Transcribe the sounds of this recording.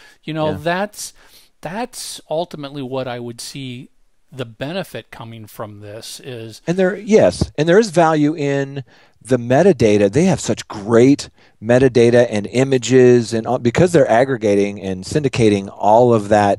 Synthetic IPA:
jɨnoʊʊðætsðætsʌlˠtəmətˡliwʌɾaɪwɨd̥si | ðɨbɛnɨfɨt̚kʰʌmɪ̃ŋfɹʌ̃mðɪsɪz̥ɨ̃nðə˞jɛsɨ̃nðə˞ɨzvælˠjʉʔɪ̃n | ðɨmɛɾɨdeɪɾɨðeɪɨv̥sʌt͡ʃɡ̥ɹeɪt | mɛɾɨdeɪɾɨʔɨ̃nɪ̃mɨd͡ʒɪzɨ̃nbɨkʰʌzðə˞ʔæɡɹɨɡeɪɾɪ̃ŋɨ̃nsɪ̃ndɨkʰeɪɾɪ̃ŋɔlˠʌvðɨt̚

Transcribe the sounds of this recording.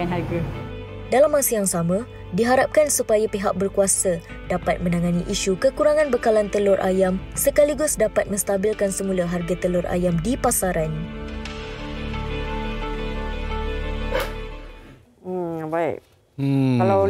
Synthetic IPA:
nɦaɡa | dalamːasəjaŋsamə̃ | diɦaɾap̚kansupajapeɦak̚bərkuasa | dapat̪̚mə̃nãŋãniʔiʃukəkuɾaŋãnbəkalant̪əlʊrʔa̰jamsəkaliɡʊsdapat̪̚mə̃st̪abilkansəmũlaɦarɡat̪əlʊrʔa̰jamdipasaɾan | baik̚ | kala

